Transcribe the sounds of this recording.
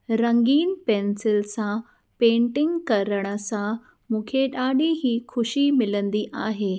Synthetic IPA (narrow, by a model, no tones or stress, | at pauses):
ɾəŋɡiːnpeːnsɪlsã | pẽːɳʈɪ̃ŋɡkɐɾəɽ̃əsã | mũːkʰeɗaːɗiɦiːkʰʊʃimɪlə̃nd̪iːʔaːɦeː